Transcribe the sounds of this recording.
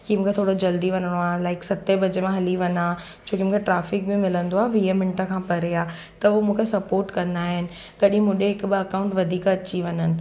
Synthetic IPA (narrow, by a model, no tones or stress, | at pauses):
kimũːkʰet̪ʰoːɽod͡ʑɐld̪iʋɐnəɽ̃oaːɦlaːɪksɐt̪ebɐd͡ʑemãɦɐliʋɐnaː | t͡ɕʰoːkimũːkʰeʈɾaːfɪk̚bɪmɪlə̃nd̪oaːɦʋiːemɪ̃ɳʈəkʰãːpɐɾeaː | t̪ɐʊmũːkʰesɐpoːɾʈkɐ̃nd̪aːɦɪnɪ̆ | ɡɐɗĩɦmũːɗeɦɪkbɪɐkãːʊ̃ɳʈʋɐd̪ʱiːkɐt͡ɕiʋɐɲənɪ̆